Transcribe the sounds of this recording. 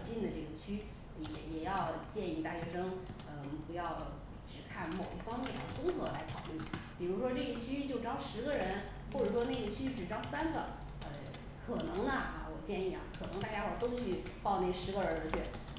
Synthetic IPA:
t͡ɕi˥˩nd̪ə˩ʈ͡ʂɤ˥˩ɡə˩t͡ɕʰy˥ | jɛ˧˥jɛ˨˩jɑ˥˧ʊt͡ɕjɛ˥˧ni˥˧t̪a˥˧˩ɕɥɛ˥˧ʂɤ˥ŋ | ə˧pu˧˥jɑ˥˩ʊ | ʈ͡ʂɻ̩˨˩kʰa˥˩nmo˨˩ʊi˧˥˩fɑ˥ŋmjɛ˥˧nxə˨˥˩t͡sʊ˥ŋxɤ˧˥la˧˥ɪt̪ʰɑ˨˩ʊly˥˩pi˨˩ɻu˧˥ʂwɔ˥ʈ͡ʂɤ˥˩ɡə˧˩t͡ɕʰy˥t͡ɕjo˥˩ʊʈ͡ʂɑ˥ʊʂɻ̩˧˥ɡə˧ɻə˧˥n | xwɔ˥˩ʈ͡ʂɤ˨˩ʂwɔ˥ne˥˩ɪɡə˩t͡ɕʰy˥ʈ͡ʂɻ̩˨˩ʈ͡ʂɑ˥ʊsa˥nɡə̰˨ | ə˧˩ | kʰɤ˨˩nɤ˧˥ŋnə˧a̰˧wɔ˨˩t͡ɕjɛ˥˧ni˧˥˩a̰˧˥˩kʰɤ˨˩nɤ˧˥ŋt̪a˥˧˩t͡ɕa˥˧˥xwɔ˞˨˩˥t̪o˥ʊt͡ɕʰy˥˧pɑ˥˧ʊne˥˩ə˩ʂɻ̩˧˥ɡə˧ə˞˧˥də˧t͡ɕʰy˥˩

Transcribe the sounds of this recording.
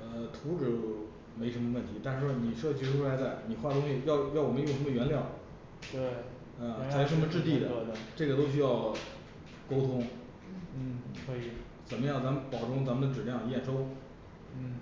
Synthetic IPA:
ə˧t̪ʰu˧˥ʈ͡ʂɻ̩˧˩ | me˧˥ɪʂə˧˥mə˧wə˥˩nt̪ʰi˧˥t̪a˥˧nʂɻ̩˥˩ɔ˥ni˨˩ʂɤ˥˩t͡ɕi˧˥ʂɻ̩ʰ˥u˥la˧˥t͡sa˥˩ɪni˨˩xwa˥˩t̪ʊ˥ŋɕi˧jɑ˥˧ʊjɑ˥˩ʊwɔ˨˩ə˦jʊ˥˩ŋʂə˧˥mə˧ɥɛ˧˥nljɑ˥˩ʊ | t̪we˥˧˩ | ə˥˩˥jo˥˩ʂmə˧ʈ͡ʂɻ̩˥˧t̪i˥˩d̪ə˩˧ʈ͡ʂɤ˥˩ɡə˩t̪o˥ʊɕ̬y˥jɑ˥˩ʊ | ko˥ʊt̪ʰʊ˥ŋ̩˥˩ | t͡sə˨˩nmə˦jɑ˥˩ŋt͡sa˧˥mə˧npɑ˨˩ʊʈ͡ʂʊ˥ŋt͡sa˧˥mə˧nd̪ə˧˩ʈ͡ʂɻ̩˨˩ljɑ˥˧ŋjɛ˥˩nʂo˥ʊ˥˩

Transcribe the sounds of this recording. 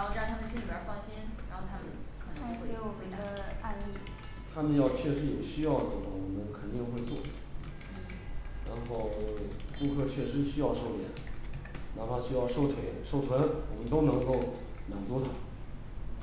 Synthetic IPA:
ɻa˥nxo˥˩˧t̪ʰa˥mə˨˩nɕji˥i˥˩bjɑ˨˩˥fɑ˥˧ŋɕɛ˥nɻa˧˥nxo˥˧ʊt̪ʰa˥mə˨˩nkʰɤ˨˩n˥˧xwe˥˩ɪjo˥jo˨˩˧i˧˥ɡə˧a˥˧nli˥˩ | t̪ʰa˥mə˨njɑ˥˧ʊt͡ɕʰɥɛ˥˩ʂɻ̩˧˥jo˨˩ʊɕy˥jɑ˥˩ʊd̪ə˨˩wɔ˨ɔ˨˩mə˦nkʰə˨˩nt̪i˥˧ŋxwe˥˧ɪt͡swɔ̰˥˩d̪ə˩ | ɻa˧˥nxo˥˧˩ʊpu˥˧kʰɤ˥˧t͡ɕʰɥɛ˥˩ʂ̬ɻ̩˧˥ɕy˥jɑ˥˧ʊʂo˥˩ʊljɛ̰˨˩˦n | na˧˥pʰa˥˩ɕy˥jɑ˥˧ʊʂo˥˩ʊt̪ʰwe˨˥ɪʂo˥˩ʊt̪ʰwə˧˥nwɔ˨˩mə˦nt̪o˥ʊnɤ˧˥ŋko˥˩ʊ | ma˨˩nt͡su˧˥t̪ʰa˥

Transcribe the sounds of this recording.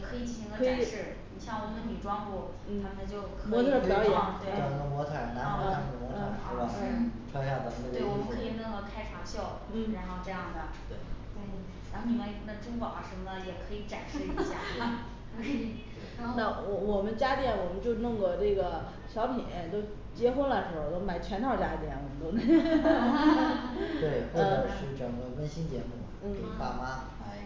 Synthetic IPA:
kʰɤ˧˥i˨˩t͡ɕɡ̪ə˧a˥i˨˧˩ʂɻ̩˥˩ | ni˨˩ɕjɑ˥˩ŋwɔ˨˩mə˧˥ni˨˩ʈ͡ʂwɑ˥ŋu˥˩ | n̩˥˩a˥˩nʰa˧˩t͡ɕjo˥˩ʊkʰmwɔ˥˧˥t̪ʰa˥˩pjɑ˧˥jɛ˧˥˧nt̪we˥˧˩ɑ˥˩nə˧˥ɡə˧˩mwɔ˧˥t̪ʰa̰˨˩˦nna˧˥o˥˧˥n˧ɡə˧mwɔ˧˥t̪a̰˨˩˦n̩˧˥˩a˧˩˧ʈ͡ʂʰwa˥nɕja˥˩t̪ə˨˩ŋnə˥˩we˥˩ɪwmə˦˥kʰɤ˧˥i˨˩nə˥˩ɡə˧˥kʰa˥ɪʈ͡ʂʰa˧˥ɕjo˥˩ʊ | n̩˥˩ɻa˧˥nxo˥˧ʊʈ͡ʂɤ˥˧jɑ˥˩ŋd̪ə˩t̪we˥˩ɪʈ͡ʂʊ˥˩ŋi˧˥ | ɻa˧˥nxo˥˩ni˨˩mə˧˥˩nə˥˩ʈ͡ʂʊ˥ŋpwɑ˨˩˥ʂə˧˥nmə˧jɛ˨˩kʰɤ˧˥i˧˥ʈ͡ʂa˨˩nʂɻ̩˥˩i˧˨˧ɕja˥˩ | e˥˩ | na˥˩wɔ˧˩wɔ˨˩mə˦nt͡ɕja˥t̪jɛ˥˩nwɔ˨˩mə˦nt͡ɕjo˥˧ʊnə˥˩ŋɡɔ˧˩ʈ͡ʂɤ˥˩ɡə˩ | ɕjɑ˧˥ʊpʰi˨˩˦t̪o˥ʊ | t͡ɕjɛ˥xwə˥nlə˨ʂɻ̩˧˥xo˧˩t̪o˥ʊma˧˩ɪt͡ɕʰɥɛ˧˥nt̪ʰɑ˥˧ʊt͡ɕja˥t̪jɛ̰˧˩˦nwɔ˨˩mə˦npu˥˧nə˥˩ | t̪we˥˩ɪxo˥˩ʊə˧ɤ˧˨˩ʂɻ̩˥˩ʈ͡ʂə˨˩ŋɡə˦wə˥nɕi˥nt͡ɕjɛ̰˧˥mṵ˥˩ | n̩˥˩i˥˩ŋxʰwa̰˥˩mɐ˧˩ | a˧˥ɪ

